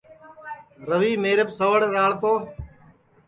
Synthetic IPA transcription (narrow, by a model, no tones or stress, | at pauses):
ɾəʋiːmeːɾəpsəʋəɽɾaːɭt̪oː